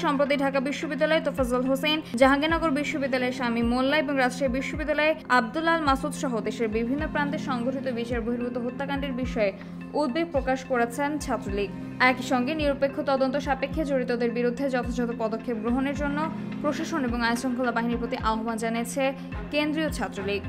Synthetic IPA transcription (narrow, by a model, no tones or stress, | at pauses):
ʃɔmpɾot̪̬iɖʱakabiʃːobid̪ːalɔet̪ofazolɦosejnd͡ʑaɦaɡenɔɡoɾbiʃːobid̪ːalɔeʃamimolːaeboŋɾad͡ʑʃɾebiʃːobid̪ːalɔeab̚d̪ulalmasud̪ʃɔɦod̪eʃeɾbibʱinːopɾant̪eɾʃɔŋɡoʈʰit̪obiʃeɾboɦiɾbut̪oɦot̪ːakaɳɖiɾbiʃɔe | ud̪̚beɡ̚pɾokaʃkoɾet͡ɕʰent͡ɕʰat̪ːɾoliɡ̚ | ɛkiʃɔŋɡeniɾopekʰːot̪ɔd̪ont̪oʃapekʰːed͡ʑoɾit̪od̪eɾbiɾud̪ʱːed͡ʑɔt̪ʰad͡ʑɔt̪opɔd̪okʰːep̚ɡɾoɦoneɾd͡ʑonːo | pɾoʃaʃoneboŋaesoŋkʰolabaɦiniɾpɾot̪iʔaoɦband͡ʑaniet͡ɕʰe | kend̪ɾiot͡ɕʰat̪ːɾoliɡ